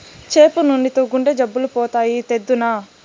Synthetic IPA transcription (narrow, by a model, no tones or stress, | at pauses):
t͡ʃe̞ːpunuɳɖit̪oːɡuɳɖed͡ʒɐbːulupɔːt̪aːjit̪ed̪ːuna